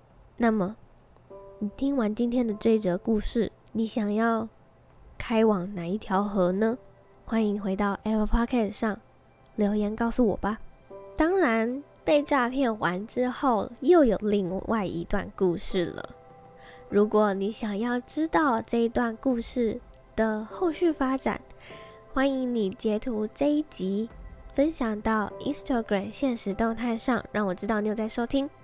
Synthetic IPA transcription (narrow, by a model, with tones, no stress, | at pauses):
na˥˩mə˩ | ni˨˩t̪ʰi˥ŋwa˧˥nt͡ɕi˥nt̪ʰjɛ˥nd̪ə˨t͡swe˥˩ɪʈ͡ʂɤ˧˥ku˥˧ʂɻ̩˥˩ | ni˧˥ɕjɑ˨˩ŋjɑ˥˩ʊ | kʰa˥ɪwɑ˨˩ŋna˨˩i˥˩t̪ʰjɑ˧˥ʊxɤ˧˥nə˧ | xwa˥ni˧˥ŋxwe˧˥ɪt̪ɑ˥˩ʊʔɛ˥pʰpʰɑ˥kʰɛ˥˩sʂɑ˥˩ŋ | ljo˧˥ʊjɛ˧˥nkɑ˥˩ʊsu˨˩wɔ̰˨˩bɐ˦t̪ɑ˥ŋɻa˧˥n | pe˥˧ɪʈ͡ʂa˥˧pʰjɛ˥˩nxwa˧˥nʈ͡ʂɻ̩˥xo˥˩ʊjo˥˩ʊjo˨˩ʊli˥˧ŋwʔa˥˩ɪḭ˧˥t̪wa̰˥˧nku˥˧ʂɻ̩˥˩lə̰˩ | ɻu˧˥kwɔ˧˥˦ni˧˥ɕjɑ˨˩ŋjɑ˥˩ʊʈ͡ʂɻ̩˥t̪ɑ˥˧ʊʈ͡ʂɤ˥˧i˧˥t̪wa˥˧nku˥˧ʂɻ̩˥˩ | d̪̥ə˩xo˥˧ʊɕy˥˩fa˥ʈ͡ʂa̰˨˩˦n | xwa˥ni˧˥ŋni˨˩t͡ɕjɛ˧˥t̪ʰu˧˥ʈ͡ʂe˥ɪt͡ɕi˧˥fə˥nɕjɑ˨˩ŋt̪ɑ˥˩ʊi˥nst̪ʰa˥˧ɡɹa˨˩mɕjɛ˥˩nʂɻ̩˧˥t̪o˥˧ŋt̪ʰa˥˧nʂɑ̰˥˧ŋɻɑ˥˩ŋwɔ˨˩ʈ͡ʂɻ̩˥t̪ɑ˥˩n˨jo˥˧t͡sa˥˩ɪʂo˥ʊt̪ʰi˥ŋ